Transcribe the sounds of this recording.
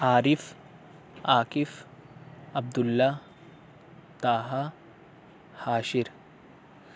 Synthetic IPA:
aːɾif | aːkɪf | ɐb̚d̪ulːa | t̪aːɦa | haːʃiɾ

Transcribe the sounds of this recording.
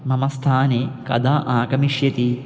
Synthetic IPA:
mɐmɐst̪ʰaːneːkɐ̰d̪ʱaːʔaːkɐmiʂjɐt̪i

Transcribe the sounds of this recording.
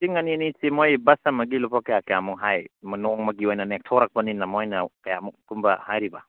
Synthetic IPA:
siŋɐniɐnisimojbɐsɐmɐɡilupʰakɐjakɐjamuŋɦajmɐnɔŋmɐɡiojnɐnek̚tʰɔɾɐk̚pɐninɐmojnɐkɐjamuk̚kumbɐhajɾibɐ

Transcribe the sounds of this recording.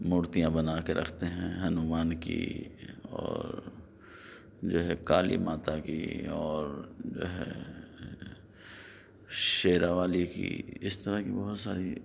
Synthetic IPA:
mʊːɾt̪ijãbɐnaːkeɾʔɐ̰kʰt̪eɦɛ̃ɦɐnʊmaːnkḭ | ɔ̰ːɾ | d͡ʒoːɦɛkaːlḭmaːt̪akḭɔːɾd͡ʒo̰ːɦɛ̰ | ʃeːɾaʋaːlikḭɪst̪ɐɾakibɐɦʊt̪saːɾi

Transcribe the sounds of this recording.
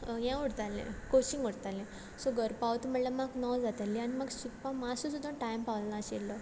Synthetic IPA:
jãuɽt̪alḛ̃kot͡ɕĩŋɡɔɽt̪alẽ | sɔɡəɾpaʋt̪um̤əɽlamaknɔd͡zat̪alːianimaɡsud̪̚pamasũsud̪ʱːaʈajmpaʋllãɕelːɔ

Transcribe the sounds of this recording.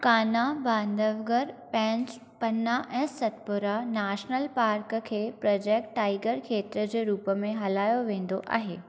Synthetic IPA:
kaːnabãːnd̪əʋɡəɾpɛ̃ːɲt͡ɕ | pɐnaʔɛ̃ːsɐt̪pʊɾanaːʃnəlpaːɾkkʰeːpɾɔːd͡ʑeːk̚ʈːaːɪɡəɾkʰeːt̪ɾəd͡ʑeːɾuːpəmẽɦɐlaːjoʋẽːnd̪oʔa̰ːɦḛː

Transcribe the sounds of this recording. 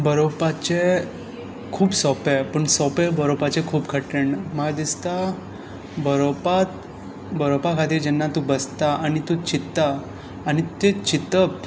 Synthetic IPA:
bəɾopat͡ɕe | kʰuːpsɔpepəɳsɔpebəɾopat͡ɕekʰuːpkʰəʈɾeɳməɡd̪ist̪a | bəɾopat̪̚ | bəɾopakʰat̪iːɾd͡ʑɛnːat̪ubəst̪aanit̪ut͡ɕit̪ːaː | ɽ̃it̪et͡ɕit̪əp

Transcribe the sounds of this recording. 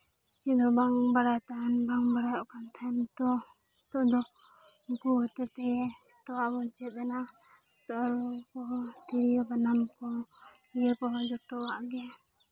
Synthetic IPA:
t͡ʃid̪ɔbaŋbaɽajt̪anbaŋbaɽajɔʔkant̪ʰant̪ɔ | t̪ɔʔd̪ɔ | kuɦɔt̪ɛt̪ɛ | t̪ɔwaʔbɔt͡ʃɛɛna | t̪ɔʔɾɔkɔt̪iɾijɔbanamkɔ | ɡɛɾkɔɦɔd͡ʒɔt̪ɔwaʔɡɛ

